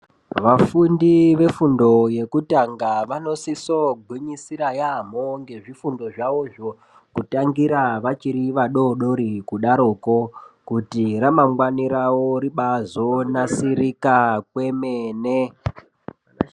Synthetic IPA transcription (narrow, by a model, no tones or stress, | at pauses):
ʋafundiʋe̞fundo̞je̞kutaŋɡaʋano̞sisoɡʱwiɲisiɾajam̤oŋɡe̞ʐifundo̞ʐaoʐo | kutaŋɡiɾaʋat͡ʃiɾiʋaɗo̞ɗo̞ɾikuɗaɾoko̞kutiramaŋɡwaniɾawoɾiɓazonasiɾikakwe̞mene